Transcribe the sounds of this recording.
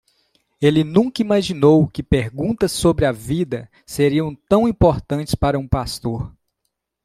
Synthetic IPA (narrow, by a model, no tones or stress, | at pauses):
elɪnũkɐimaʒinowkɪpeɾɡũnt̪ɐsːobɾɪɐvid̪ɐ | seɾiɐ̃w̃t̪ɐ̃w̃ĩpoɾt̪ɐ̃t͡ʃɪ̥spaɾɐũpast̪oɾ